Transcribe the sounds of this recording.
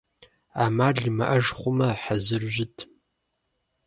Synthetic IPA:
aːmaːɮimɐʔɐʒχʷʊmɐħazɨrʒɪtʰ

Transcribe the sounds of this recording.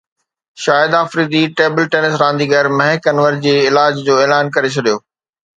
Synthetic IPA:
ʃaːɪd̪aːfɾiːd̪iʈeːbəlʈeːnɪsɾãːnd̪iɡɛːɾmɐɦɪkənʋəɾd͡ʑeːɪlaːd͡ʑd͡ʑoːeːlaːnkɐɾet͡ɕʰɐɗijoː

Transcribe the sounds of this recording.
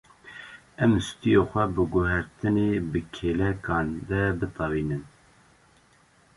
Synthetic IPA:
ɛmst̪ijoxʷɛbɨɡʊhæɾt̪ɨnebɨkʰelɛkɑːnd̪ɛbɨt̪ʰɑwiːnɨn

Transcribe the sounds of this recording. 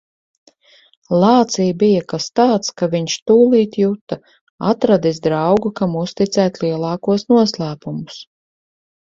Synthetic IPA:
lˠɑːt̪sijbijakast̪aːt̪skaviɲʃt̪uːlˠiːt̪jut̪a | at̪ɾad̪isd̪ɾɑwɡukamust̪it̪sæːt̪ʲliɛlˠɑːkuɔsnuɔslˠæːpumus

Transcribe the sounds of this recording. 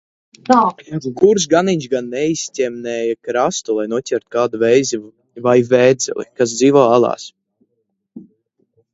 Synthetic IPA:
t̪aːjaɡuɡuɾs̬ɡaniɲʲʃɡanːɛistʲɛmnɛːjakɾast̪ulˠajnuɔcʲɛɾt̪̚kaːd̪uvɛjzi | vajvʲɛːd̪z̥ɛ̰lˠḭkas̬d̪ziːvɔːalˠɑ̰ːs

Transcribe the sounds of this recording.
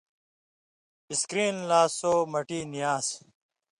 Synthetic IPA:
iskɾiːnlaːsoːmɐʈiːnijaːs

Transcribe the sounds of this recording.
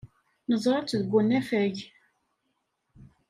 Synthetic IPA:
nəzˤɾˤɑt͡sːðəɡʷːunæfæʝ

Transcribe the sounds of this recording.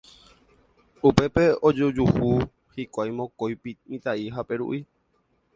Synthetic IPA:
upe̞pe̞od͡ʒud͡ʒuhu | hikʷajmõ̞kojpimĩt̪aiɦape̞ɾṵʔi

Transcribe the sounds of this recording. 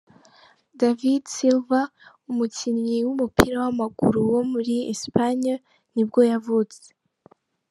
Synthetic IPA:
davidsilva | umucinɲiwumupʰiɾawamaɡṵɾuwo̞muɾiḛspaɲa | nibɡo̞javut͡se̥

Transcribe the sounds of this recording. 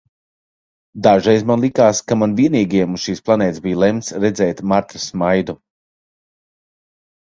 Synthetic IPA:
d̪aʒɛjzmanlˠikaːskamanviɛniːɡiɛmu̥ʃiːsplˠanʲɛːt̪zbijlˠɛmt̪sɾɛd̪zɛːt̪maɾt̪ɾasmajd̪u

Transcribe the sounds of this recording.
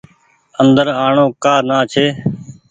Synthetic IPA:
ənd̪əɾaːɳõːkaːɾnaːt͡ʃʰeː

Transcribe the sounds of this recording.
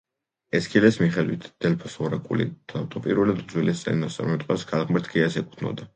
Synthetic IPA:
ɛskʰilɛsmiχɛd̪wit̪ʰd̪̥ɛlpʰɔsɔɾakʼṵlḭd̪̥ʰat̪ʰʼɔpʼḭɾɛlad̪d̪zwilɛst̪sʼɛ̰nnɔst̪sʼa̰ɾmmɛt̪ʼqʼɛsɡʰalˠʁmɛɾt̪ʰɡʰɛasɛkʼu̥t̪ʰnɔ̰d̪a

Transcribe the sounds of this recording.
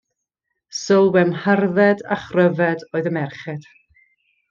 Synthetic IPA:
səlˠwɛmharðɛda̰χrəvɛdoːɨðəmɛrχɛd̥

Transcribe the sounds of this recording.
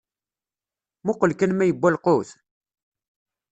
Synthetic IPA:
mʊqəlkənmæjəbʷːælqoθ

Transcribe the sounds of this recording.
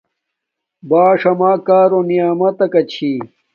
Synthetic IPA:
baːʂɐmaːkaːɾonijaːmɐt̪ɐkɐt͡ɕʰi

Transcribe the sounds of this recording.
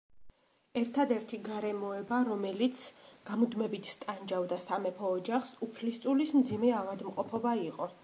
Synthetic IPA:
ɛɾt̪ʰad̪ɛɾt̪ʰiɡaɾɛmɔɛbaɾɔmɛlit̪sʰɡ̥amud̪mɛbit̪ʰst̪ʼand͡ʒavd̪asamɛpʰɔːd͡ʒaχsupʰlist̪ʼulismd̪zimɛavad̪mqʼɔpʰɔbaiqʼɔ

